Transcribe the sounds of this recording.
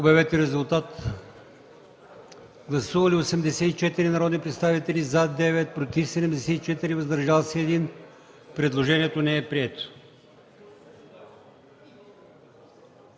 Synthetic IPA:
obɛvɛt̪ɛɾɛzulˠt̪at̪ | ɡlˠɐsuvɐliosɛmd̪ɛsɛit͡ʃɛt̪iɾinɐɾɔd̪nipɾɛt̪st̪avit̪ɛlizad̪ɛvɛt̪̚pɾot̪ifsɛd̪ɛmd̪ɛsɛt̪it͡ʃɛt̪iɾivɐzd̪ɐɾʒalˠsɛːd̪in | pɾɛd̪lˠoʒɛniɛt̪onɛɛpɾiɛt̪o̥

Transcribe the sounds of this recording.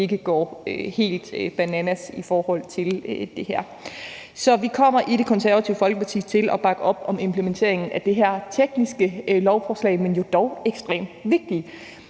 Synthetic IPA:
e̝ɡ̥əɡ̥ɒ̰ːøhe̝̰ːld̥b̥ænænæsifɒːhɒ̽l̰t͡sʰe̝ld̥e̝hæɐ̰ | sɒ̽ʋikʰɒ̽m̰ɐʔiɾe̝kʰɒ̽nsæɐʋæt͡sʰiʊəfɒ̽lɡ̥əpʰɑ̈t͡sʰḭːt͡sʰe̝lʔɒ̽b̥ɑ̈ɡ̥əɒ̽b̥ɒ̽me̝mpʰlement͡sʰe̝ɐ̰e̝ŋn̩æd̥e̝ɦæɐ̰t͡sʰeɡ̥nisɡ̥əlɒʊfɒːslɛ̰ɪmenjo̝d̥ɒʊeɡ̥sd̥ʁḛːmd̥ʋe̝ɡ̥̚d̥i

